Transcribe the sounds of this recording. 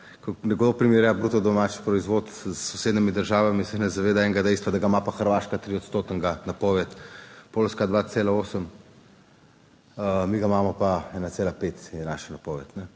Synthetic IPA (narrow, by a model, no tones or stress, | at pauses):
kɔnɛɡod̪opɾimeɾjabɾuːt̪ɔd̪ɔmaːt͡ʃpɾɔizʋoːt̪sːɔseːd̪nimid̪əɾʒaːʋamisɛnɛzaʋeːd̪aɛːŋɡad̪ɛjst̪ʋad̪aɡamapaxəɾʋaʃkat̪ɾiɔt̪st̪oːt̪əŋɡanapɔːʋɛt̪poːlskad̪ʋat̪seːlaoːsəm | əmiɡamamɔpaɛːnat̪seːlapet̪jɛna̰ʃanapɔʋɛt̪nɛ